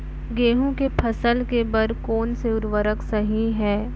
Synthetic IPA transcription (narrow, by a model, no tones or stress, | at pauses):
ɡeːɦũkepʰɐsəlkebəɾkoːnseʊɾʋəɾəksɐɦiɦɛː